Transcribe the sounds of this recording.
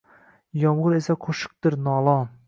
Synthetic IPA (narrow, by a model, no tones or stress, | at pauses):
jɒmʁʊɾesaqʰoʃɨ̥q̚t̪ɪɾnɒːlˠɒn